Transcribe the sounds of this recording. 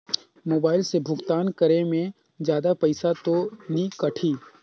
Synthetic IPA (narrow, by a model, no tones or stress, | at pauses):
moːbaːɪlsebʱʊkt̪aːnkɐɾemẽ | d͡ʒjaːd̪apɐɪsat̪onikɐʈʰiː